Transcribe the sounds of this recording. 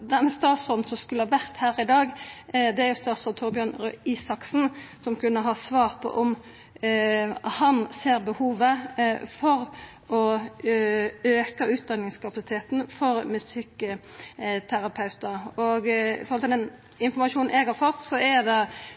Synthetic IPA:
d̪æmɛst̪ɑːt̪sɔd̪sɔmskʉləhɑʋæʁt̪hæːɾɪd̪ɑːɡd̪ɛæɾjʊst̪ɑːt̪sɔlt̪ʰɔʁbjøːɳɾʉiːsɑksn̩sɔmkʉnːəɦɑːsʋɑːʁpʰɔ̰ʔɔm | hɑnseːɾbəhuːʋəfɔɾ | ɔ | øːkɑʉːt̪̚d̪ɑnːɪŋskʰɑpɑsɪ̥t̪ʰeːt̪n̩fɔɾmɛsɪkː | t̪ʰæɾɑpʰɑʉt̪əɾɔɡfɔʁɔlt̪ɪld̪ɛn | ɪnfɔʁmɑʃuːnnɛːɡɑfɔt̪sɔɛd̪ɛ

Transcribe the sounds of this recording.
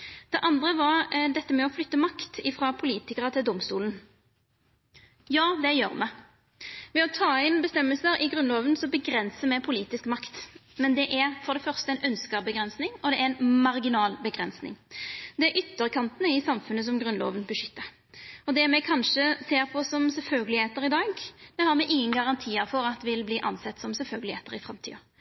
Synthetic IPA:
d̪̥ɛʔɑnd̪ʁəʋɑʁd̪ɛt̪ːəmɛɔflʏt̪ːəmɑkt̪ɪfʁɑpʰʊliːt̪ɪkəʁət̪ʰɪld̪ʊmst̪uːln̩ | jɑːd̪ɛjø̰ːʁmɛ | mɛɔt̪ʰɑːɪnbəst̪ɛmːəlsəɾɪɡʁʉnloːʋənsɔbəɡɾɛnsəmɛɪpʰʊliːt̪ɪskmɑkt̪mɛnd̪ɛʔæʁfɔʁd̪ɛfœʁst̪əɛnʔœnskəbəɡɾɛnsnɪŋɔd̪ɛʔæɾɛnmɑɾɡɪnɑːlbəɡɾɛnsnɪ̰ŋd̪ɛæɾʔʏt̪ːəʁkʰɑnt̪ənəɪsɑmfʉnːəs̬ɔmɡɾʉnlo̰ːʋənbəʂʏt̪ːəɾ | ɔd̪ɛmɛkʰɑnʂəseːɾpʰɔsɔmsɛlfœlɡəlɪheːt̪əɾɪd̪ɑːɡd̪̥ɛhɑɾmɛʔɪŋːənɡɑʁɑnt̪ʰiːəɾfɔɾɑt̪ʋɪlbliːʔɑ̰nsɛt̪ːsɔmsɛlfœlɡəlɪḛːt̪əɾɪfɾɑmt̪ʰḭːɑ

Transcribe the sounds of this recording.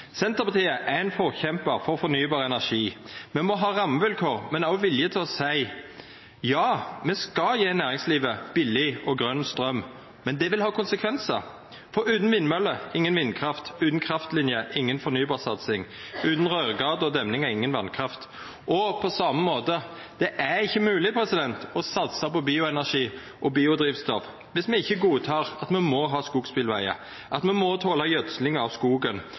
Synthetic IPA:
sɛnt̪əʁpɑt̪ʰiːəʔæɛnfɔʁçɛmpəʁfɔʁfɔnyːbɑːʁəɛnæʂiːmɛmɔɦɑːʁɑmːəʋɪlkʰoːʁmɛnæʋɪljət̪ʰɪlɔsæɪ | jɑːmɛskɑjeːnæːʁɪŋsliːʋəb̥ɪlɪɔɡʁœnst̪ʁœm | mɛnd̪ɛʋɪlhɑːkʰʊnsəkʰʋɛnsəʁ | fɔɾʉːt̪n̩ʋɪnːmœlːəɪŋːənʋɪnkʰɾɑft̪ʉːt̪n̩kʰɾɑft̪lɪnjəʔɪŋːənfɔɾnyːbɑːsɑt̪sɪŋʉːt̪n̩ʁøːʁɡɑːd̪ɔd̪ɛmnɪŋɛɪŋːənʋɑnkʰʁɑft̪ | ʔɔpʰɔsɑməmoːt̪ə | d̪̥ɛʔæɪçːəmʉːlɪpʰɾɛsɪd̪ɛnt̪ɔsɑt̪sɑpɔbiːʊɛnæʂiː | ʔɔbiːʊd̪ʁiːʋst̪ɔf | ʋɪsmɛnɪçːəɡuːt̪ʰɑːʁɑt̪mɛnmɔɦɑːskuːɡspɪlʋæɪə̰ | ʔɑt̪mɛnmɔt̪ʰoːlɑjœd̪slɪŋəɑʋskuːɡən

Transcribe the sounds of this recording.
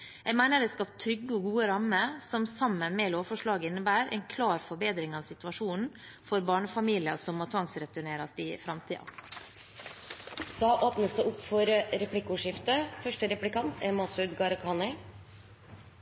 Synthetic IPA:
jæɡmæɪnəɾd̪ɛskɑpt̪ʰːɾʏɡːəɔɡuːəɾɑmːəsɔmsɑmːənmɛːloːfɔʂɭɑːɡəɪnːəbæːɾʔɛ̰ɪnkʰlɑːɾfɔɾbeːd̪ɾɪŋɑːʋsɪt̪ʉʋɑʂuːnn̩ | fɔɾbɑːɳəfɑmiːlɪɑ̰sɔmmoːt̪ʰʋɑŋsɾɛt̪ʉɳeːɾɑst̪ɪfɾɑmt̪ʰiːɑ̰ | d̪̥ɑːʔoːpnəsd̪ɛʔʊpfɔɾəɾɛpʰlɪkːʊʂɪft̪əfœʂʈəɾɛplɪkɑnt̪ʰɛmɑsʉd̪ɡɑɾkʰɑːnɪ

